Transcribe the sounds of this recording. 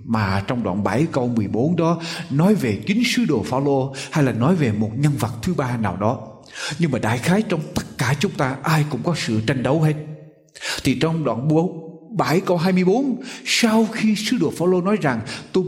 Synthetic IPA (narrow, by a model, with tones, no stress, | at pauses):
maː˨˩t͡ɕɔ˧wŋ͡mɗwa̰ː˧˨nɓa˧˩jkə˧wmɨ˨˩əjɓo˨˦nɗɔ˨˦nɔ˨˦jve˨˩t͡ɕï˨˦ŋ̟sɨ˨˦ɗo˨˩faː˧wlo˧ha˧jlaː˨˩nɔ˨˦jve˨˩mo˨˩t̚ŋə˧nvə˨˩t̚t̪ʰɨ˨˦ɓaː˧naː˨˩wɗɔ˨˦ | ɲɨ˧ŋmaː˨˩ɗa̰ː˧˩˨jxaː˨˦jt͡ɕɔ˧wŋ͡mt̪ə˦˥t̚kaː˧˩t͡ɕʊ˨˦ŋ͡mt̪aː˧ʔaː˧jkʊ̰˧˥ŋ͡mkɔ˨˦sɨ̰˧˨t͡ɕa˧jŋɗə˨˦whe˦˥t̚ | t̪ʰi˨˩t͡ɕɔ˧wŋ͡mɗwa̰ː˧˨nɓo˨˦ | ɓa˧˩jkə˧wɦaː˧jmɨ˧əjɓo˨˦nsa˧wxi˧sɨ˨˦ɗo˨˩əfaː˧wlo˧nɔ˨˦jza˨˩ŋt̪o˧j